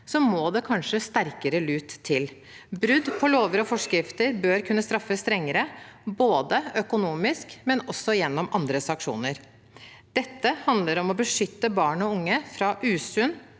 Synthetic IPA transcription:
sɔmoːd̪ɛkʰɑnʂəst̪æɾkəɾəlʉːt̪ʰːɪl | bɾʉd̪pʰɔloːʋəɾɔfɔʂkɾɪft̪əɾbøːɾkʰʉnːəst̪ɾɑfːəst̪ɾɛŋːəɾəboːd̪əœkʊnuːmɪskmɛnɔsːɔjɛnːɔmʔɑnd̪ɾəsɑŋkʂṵːnəɾ | d̪̥ɛt̪ːəhɑnd̪ləɾɔmɔbəʂʏt̪ːəbɑːɳɔʊŋːəfɾɑʔʉːsʉn

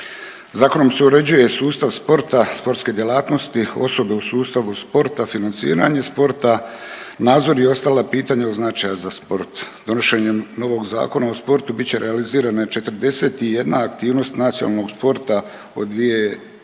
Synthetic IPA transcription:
zaːko̞no̞mseuɾed͡ʑuje̞suːst̪aʋspo̞ɾt̪aspo̞ɾt̪ske̞d̪jelˠaːt̪no̞st̪io̞so̞be̞usuːst̪aʋuspo̞ɾt̪afinant̪sḭːɾa̰ɲe̞spo̞ɾt̪anaːd̪zo̞ɾjeo̞st̪alapiːt̪aɲeoznat͡ʃajazaspo̞ɾt̪d̪o̞noʃe̞ɲemno̞ʋo̞ɡza̰ːko̞nao̞spo̞ɾt̪ubitt͡ɕe̞ɾʔealiziːɾanaet͡ʃe̞t̪ɾd̪e̞se̞t̪ije̞d̪naːk̚t̪iːʋno̞st̪nat̪sionalno̞ɡspo̞ɾt̪a | o̞̰d̪ʋije̞

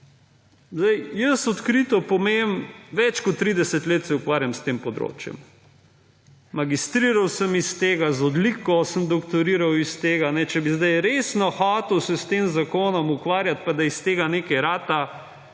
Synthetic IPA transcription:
zd̪ajjəsɔt̪kɾit̪ɔpɔmemʋɛt͡ʃkɔt̪ːɾid̪ɛsɛt̪leːt̪sɛukʋaːɾjamst̪eːmpɔd̪ɾo̰ːt͡ʃjɛ̰m | maɡist̪ɾiːɾawsəmist̪eːɡazɔd̪likɔsəmd̪ɔkt̪ɔɾiːɾawist̪eːɡanɛt͡ʃɛbizd̪ajɾeːsnɔxaːt̪ɛwsɛst̪eːmzakoːnɔmukʋaːɾjat̪̚pad̪aist̪eːɡaneːkɛjɾaːt̪a

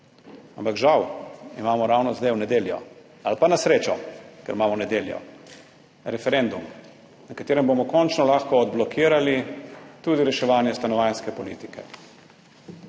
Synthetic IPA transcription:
ampakʒawimaːmɔɾawnɔzd̪ajwnɛd̪eːljɔ̰ | alpanasɾeːt͡ʃɔkɛ̰ɾmaːmɔnɛd̪eːljɔ̰ | ɾɛfɛɾɛnd̪um | nakat̪eːɾɛmbomɔkɔnt͡ʃnɔlaːxkɔːd̪̚blɔkʰiːɾalit̪uːd̪iɾɛʃɛʋaːnjɛst̪anɔʋajnskɛpɔlḭːt̪ikʰɛ

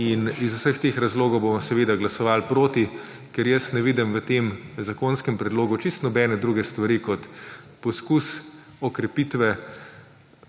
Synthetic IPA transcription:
inizusəxt̪eːxɾazloːɡɔwbommsɛʋeːd̪aɡlasɔʋalpɾoːt̪i | kɛɾjɛsnɛʋiːd̪imʋət̪emzakoːnskɛmpɾɛd̪loːɡut͡ʃist̪nɔbɛːnɛd̪ɾuːɡɛst̪ʋaɾiːkɔt̪pɔskus | ɔkɾɛpit̪ʋɛ

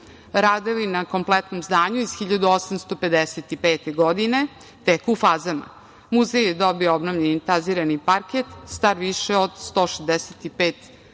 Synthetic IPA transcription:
ɾad̪eʋinako̞mplɛt̪nomzd̪aːɲuiz̥xiʎad̪uosamst̪o̞pe̞d̪eset̪ipeːt̪eɡod̪ine | t̪ekufaːzama̰ | muzejed̪obioobnovʎenint̪aziːɾanipaɾket̪st̪aɾʋiʃeod̪st̪o̞ːʃezd̪eset̪ipeːt̪

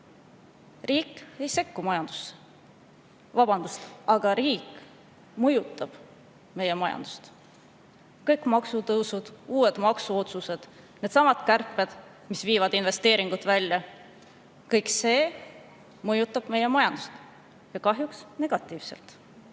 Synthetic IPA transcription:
riːkːe̞jse̞kːumɑjɑnd̪̥use | vɑb̥ɑnd̪̥ust̪ʔɑɡ̥ɑɾiːk | mɤjut̪ːˑɑb̥ | me̞je̞mɑjɑ̰nd̪̥u̥st̪ | kɤjkmɑksut̪ɤwsud̪̥uːe̞d̪̥mɑksuo̞t̪suse̞d̪̥ | ne̞d̪̥sɑmɑt̪kærpːˑe̞d̪̥ | misviːvɑd̪inve̞st̪e̞ːɾiŋɡ̥ut̪vælʲjɑ | kɤjkse̞ː | mɤjut̪ːˑɑb̥me̞je̞mɑjɑnd̪̥ust̪ | jɑkɑɦjuksne̞ɡ̥ɑt̪ːˑiːv̥se̞̰lt̪

